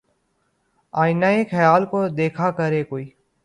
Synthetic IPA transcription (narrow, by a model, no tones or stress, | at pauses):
aːɪnaːexɐjaːlkod̪eːkʰakəɾeːkoːiː